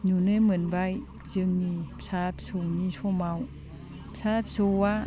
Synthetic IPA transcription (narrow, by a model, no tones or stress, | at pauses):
nunɯmɯnbaj | zɯŋnipsap̚sonisʰɔmaw | psap̚sowa